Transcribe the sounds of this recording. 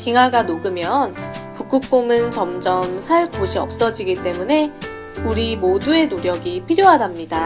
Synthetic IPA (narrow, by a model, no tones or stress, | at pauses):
piŋɦaɡanoɡɯmjʌnpuk͈uk̚p͈omɯnt͡ɕʌmd͡ʑʌmsʰaɭkoɕʰiʌ̰p̚s͈ʌd͡ʑiɡit͈e̞mune̞ | uɾimodue̞noɾjʌɡipʰiɾjoɦadamɲida